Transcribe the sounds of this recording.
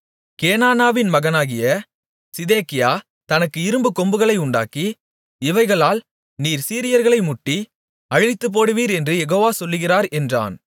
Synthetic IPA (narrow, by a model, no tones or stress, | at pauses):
keːnaːnaːʋɪnmɐɣɐnaːɣɪjɐ | sɪðeːkɪjaː | t̪ɐnɐkːɯɪɾɯmbɯkɔmbɯɣɐɭɐɪʊɳɖa̰ːki | ɪʋɐɪɣɐɭaːl | niːɾsiːɾɪjɐɾɣɐɭɐɪmʊʈːi | ɐɻɪt̪ːɯp̬ːoːɽɯʋiːɾɛndrɯjɛɣoːʋaːsɔlːɯɣɪraːɾɛndra̰ːn